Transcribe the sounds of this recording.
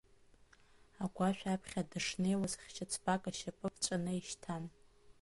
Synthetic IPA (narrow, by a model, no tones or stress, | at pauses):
aɡʷaʃᶣapʰχʲadɨʂnejwazχʲt͡ʃʰat͡sʰbakʼaʃapʼɨpʰt͡ʃʷʼanɨiʃtʰan